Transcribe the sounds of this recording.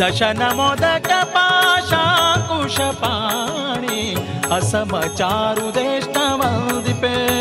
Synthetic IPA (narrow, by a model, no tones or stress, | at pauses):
d̪ɐʃɐnɐmoːd̪ɐkɐpaːʃakuʃɐpa | ɽ̃iɐsɐmɐt͡ʃaːɾud̪eʃt̪ɐʋɐld̪ipe